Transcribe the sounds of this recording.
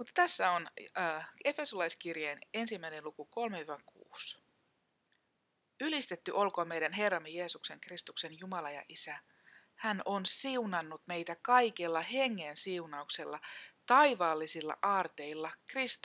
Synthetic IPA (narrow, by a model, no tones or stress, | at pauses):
mut̪ːɑt̪æsːæonː | ʔe̞fe̞solɑjskirjene̞nsimːæinenlukuko̞lmeyækʰṵːs | ylist̪et̪ːyʔo̞lkoːmejdænɦe̞rːɑmːeje̞ːsukse̞ŋkrist̪ukse̞njumɑlɑjɑ̰ʔisæ | hæno̞nsiunɑnːut̪me̞jt̪ækɑikelːɑhe̞ŋːensiunɑukselːɑt̪ɑiʋɑːlːisilːɑ̰ʔɑːrt̪e̞ilːɑkrist̪